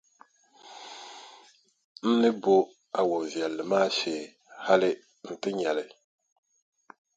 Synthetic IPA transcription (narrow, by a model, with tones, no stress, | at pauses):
n̩˦nɨ˦bo˦ | a˨wo˨n˨vi˨ɛ˨lːɨ˨maː˦ʃeː˨ | ha˦lɪ˦ | n̩˨tɨ˦ɲɛ˨lɪ˨